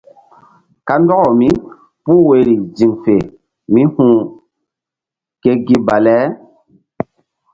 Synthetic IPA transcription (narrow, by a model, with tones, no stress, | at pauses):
ka˦n˦dɔ˦ɣɔ˨mĩ˦ | pu˦˨we˨ɾi˨d͡zi˨mfe˨ | mĩ˦hũ˦ | ke˦ɡi˦ba˨lɛ˨˦